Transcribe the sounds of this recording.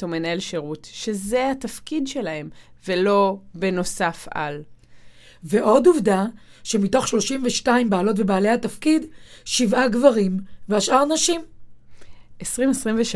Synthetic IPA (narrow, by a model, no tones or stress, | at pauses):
tomenaelʃeʁutʃezeat̪afkidʃe̞lahe̞m | velo̞beno̞safa̰l | ve̞ʔo̞duvda | ʃe̞mito̞χʃlo̞ʃimveʃtaimbaːlo̞tvebaːle̞jhatafkidʃivʔaɡvaʁimveaʃʔaʁnaʃim | ʔesʁimesʁimveʃ